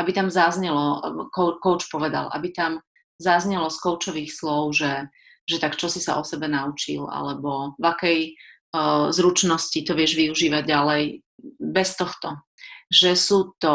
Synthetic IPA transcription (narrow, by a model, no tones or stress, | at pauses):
ʔabit̪amzazɲɛlɔkɔʊkɔʊt͡ʃpɔʋɛd̪a̰lʔa̰bit̪am | zazɲɛlɔskɔʊt͡ʃɔʋiːxslɔʊʒɛ | ʒɛt̪akt͡ʃɔsisa̰ʔɔsɛbɛnaut͡ʃḭla̰lɛbɔvakɛj | zɾut͡ʃnɔscit̪ɔʋɪɛʒʋiuʒiːʋaɟ̚ɟalɛj | bɛst̪ɔxt̪ɔ | ʒɛsuːt̪ɔ